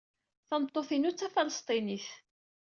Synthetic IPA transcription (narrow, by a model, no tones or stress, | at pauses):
θɑnət̪ˤːoθinut͡sːæfɑləst̪ˤiniθ